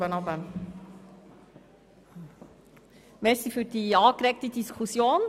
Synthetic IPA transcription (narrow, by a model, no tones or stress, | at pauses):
ənɑbən | mɛɾsifyːɾd̥iːɑːkɾɛk̚tədiskʰusjoːn